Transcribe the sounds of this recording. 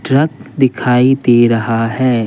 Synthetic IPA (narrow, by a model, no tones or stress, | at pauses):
ʈɾɐkd̪ɪkʰaːid̪iɾɐɦaɦɛː